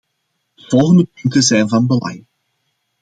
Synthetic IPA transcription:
v̥ɔlˠɣəndəpɵntəzɛjnvɑnbəlɑ̰j

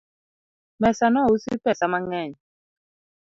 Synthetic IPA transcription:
mɛsanɔusḭpɛsamaŋɛ

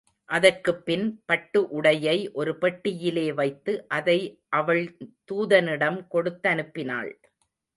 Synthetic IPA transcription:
ʔɐðɐrkɯpːɪnpɐʈːɯʔʊɽɐjɐɪʔɔɾɯpɛʈːɪjɪleːʋɐɪt̪ːɯʔɐðɐɪʔɐʋɐɭt̪uːðɐnɪɽɐmkɔɽɯt̪ːɐnɯpːɪna̰ːɭ

